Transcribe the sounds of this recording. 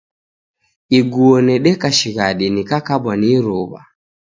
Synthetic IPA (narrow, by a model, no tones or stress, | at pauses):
iɡuɔnɛɗɛkaʃiɣaɗinikakaɓaniɾuβa̰